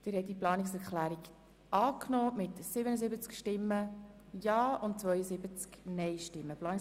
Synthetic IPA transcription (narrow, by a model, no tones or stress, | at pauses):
d̪̥ɪɾhɛtːiplɑːnɪksɛɾkχlæːɾik | ʔɑːknoːmɪtsɪbənəzɪbət͡skʃtɪmːə | jɑːʊntt͡svœʏəzɪbət͡sknɛɪʃtɪmːəplɑːni